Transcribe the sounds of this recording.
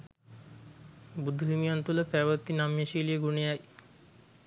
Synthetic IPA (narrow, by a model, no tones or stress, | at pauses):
bud̪ʱuɦimijant̪uləpæʋət̪ːinamjeʃiːlijəɡunejaj